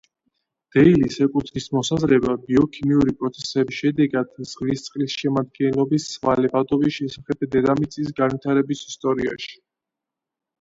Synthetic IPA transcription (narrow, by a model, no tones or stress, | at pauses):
d̪̥ɛilisɛkʼut̪ʰɾismɔsazɾɛbabiɔkʰimiuɾipʼɾɔt̪sʰɛsɛbisʃɛd̪ɛɡad̪t̪sʼχʼlist̪sʼχʼlisʃɛmad̪̚ɡɛnlˠɔbisvalɛbad̪ɔviʃɛsaχɛbd̪ɛd̪amit̪sʼis̬ɡanvit̪ʰaɾɛbisist̪ʼɔɾia̰ʃi̥